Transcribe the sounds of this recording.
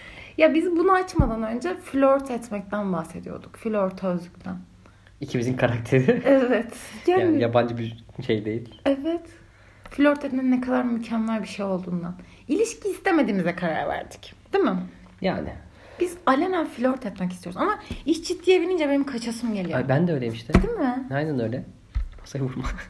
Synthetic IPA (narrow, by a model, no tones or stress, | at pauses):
jabizbunaat͡ʃmad̪anø̞nd͡ʒɛfilʲoɾt̪ʰɛt̪mɛc̚t̪ʰænbahse̞d̪ijo̞̰ɾd̪ukfilʲoɾt̪ʰaøzd̪yc̚t̪ʰæn | icʰimizinkʰaɾak̚t̪ʰeɾiɛvɛt̪janajaband͡ʒɯbiʃejd̪e̞jilʲɛvɛt̪ | filʲoɾt̪ɛt̪mɛinːɛkʰad̪aɾmycʰanlˠaɾbiʃejo̞lˠd̪uːnd̪an | ilʲiʃcʰiːst̪eme̞d̪iːmizɛkʰaɾa̰ɾvæ̰ɾd̪i̥cd̪̥imɪ | ja̰ːnɪ̰ | bizalʲenafilʲoɾt̪ʰɛt̪mɛc̬isioɾuzamait͡ʃd͡ʒid̪ːijebiɾind͡ʒɛbe̞nimkʰat͡ʃʰasɯmɟe̞lʲijbænd̪ɛøːjlʲemiʃt̪ʰɪd̪imɪajnænø̞jlʲɛ | osajbuɾma